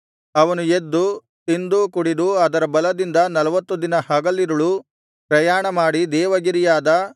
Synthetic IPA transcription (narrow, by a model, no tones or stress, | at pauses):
ɐʋɐnued̪ːu | t̪ind̪ukuɽid̪uɐd̪ɐɾɐbɐlɐd̪ind̪ɐnɐlɐʋɐt̪ːud̪inɐhɐɡɐlːiɾɐɭu | pɾɐjaːɳɐmaːɽid̪ɛːʋɐɡiɾijaːd̪ɐ